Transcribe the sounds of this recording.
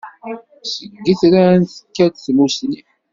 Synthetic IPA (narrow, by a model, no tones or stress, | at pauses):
səɡːiθɾanθə̥kːæd̪θmusni